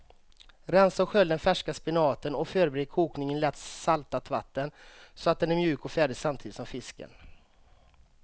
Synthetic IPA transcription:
ɾɛnsɔɧœld̪ɛnfæʂkaspɪnɑːt̪ənɔføːɾbɛɾeːd̪̚kʰuːknɪŋənlɛːt̪salt̪at̪ʰva̰t̪ːənsɔat̪̚d̪ɛnæɾmjʉ̟ːkɔfæːɖɪsamt̪ʰiːd̪ɪt̪sɔmfɪskə̰n

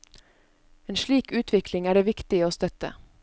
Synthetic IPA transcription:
eːnʃɭiːkʉːt̪ʰʋɪklɪŋæːɖeːʋɪkt̪ɪoːst̪œt̪ə̰

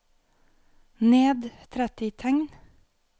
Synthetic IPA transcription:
neːd̪t̪ʰɾɛt̪ɪt̪ʰɛŋn

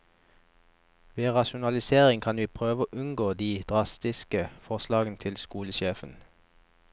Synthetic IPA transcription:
ʋeːʁɑʃʊnɑlɪseːʁɪŋkʰɑnʋiːpʰʁøːʋəoːʔʉŋɡoːd̪iːd̪̥ʁɑst̪ɪskəfɔʁslɑːɡənt̪ʰɪlskuːləʃeːfən

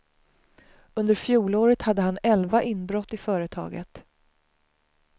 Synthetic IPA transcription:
ɵnd̪əɾfjuːloːɾət̪had̪ːəɦanɛlvaʔɪnbɾɔt̪ːɪfœːɾət̪ʰɑ̰ːɡə̰t̪

